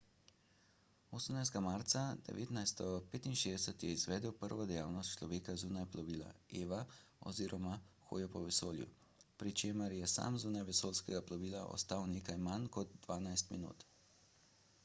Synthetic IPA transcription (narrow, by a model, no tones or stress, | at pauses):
oːsəmnajsd̪ɡamaːɾt̪sad̪̥ɛ̰ʋḛːt̪najst̪ɛɡɔpeːt̪inʃeːd̪ɛsət̪jɛizʋɛːd̪əwpəɾʋɔd̪ɛjaːwnɔst̪t͡ʃlɔʋeːkazuːnajplɔʋiːla̰eːʋaɔ̰ziːɾʔɔmaxo̰ːjɔpɔʋɛsoːljṵ | pɾit͡ʃeːməɾjɛsa̰ːmzuːnajʋɛsoːlskɛɡaplɔʋiːlaʔɔ̰st̪aːwneːkajmankɔd̪̚d̪ʋaːnajst̪mḭnṵːt̪